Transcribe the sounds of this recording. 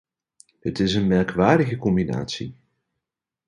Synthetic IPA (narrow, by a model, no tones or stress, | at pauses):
ɦətɪsənmɛrkʋaːɹdəɣəkɔmbina̰ːtsḭ